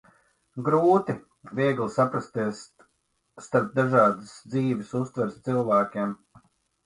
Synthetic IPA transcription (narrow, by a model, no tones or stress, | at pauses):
ɡɾuːt̪i | vʲiɛɡlˠisapɾast̪iɛsː | t̪aɾp̚d̪aʒɑːd̪əsd̪ziːvʲɪsust̪vɛɾst̪silˠvæːkʲim